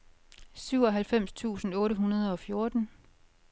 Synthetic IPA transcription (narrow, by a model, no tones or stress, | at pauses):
syʊ̰ɒ̽ɦælfem̰st͡sʰṵːsn̩ɔ̽ːɾəɦunɐð̞ˠɒ̽fjo̝ɐd̥n̩